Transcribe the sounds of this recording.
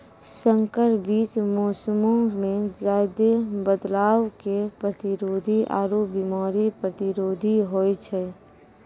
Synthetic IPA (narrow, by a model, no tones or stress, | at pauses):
sə̃ŋkəɾbiːt͡ʃmɔːsəmõɡmẽd͡ʒaːɪd̪ebəd̪laːwkepɾət̪iɾoːd̪ʱiʔa̰ːɾobimaːɾipɾət̪iɾoːd̪ʱiɦojt͡ʃʰɛ